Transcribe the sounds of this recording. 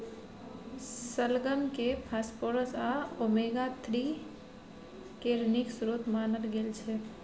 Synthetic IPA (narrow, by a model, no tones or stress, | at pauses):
səlɡəmkepʰaspoɾəsaomeɡat̪ʰɾi | keɾniksɾut̪maːnəlɡelt͡ʃʰɛ